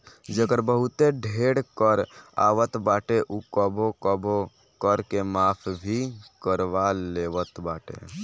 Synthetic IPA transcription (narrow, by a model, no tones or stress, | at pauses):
d͡ʒəkəɾbəɦʊt̪eɖʱeːɽkəɾa̰ːʋət̪baːʈeʔukəbʱokəbo | kəɾkemaːpʰbʱikəɾʋaleːʋət̪baːʈḛ